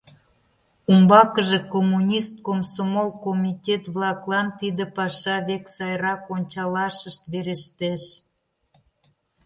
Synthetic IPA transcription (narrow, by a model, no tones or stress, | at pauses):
umbɑkəʒekomːunʲist̪̚komsomolkomʲitʲet̪βlɑklɑnt̪id̪epɑʃɑβeksɑjɾɑkonʲt͡ɕɑlɑʃəʃt̪βeɾeʃt̪eʃ